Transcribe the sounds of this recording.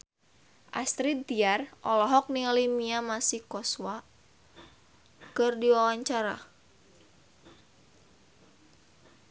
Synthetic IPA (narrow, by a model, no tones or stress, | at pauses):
ʔa̰st̪ɾit̪̚t̪iarʔɔlɔɦɔk̚nialimiamasihkɔswa | kɨrdiwawaɲt͡ʃaɾa̰